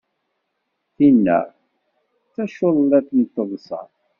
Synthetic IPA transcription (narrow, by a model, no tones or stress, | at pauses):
θinːæ̰ | θæʃoðˤlæθnət̪ˤːəðˤsɑ̰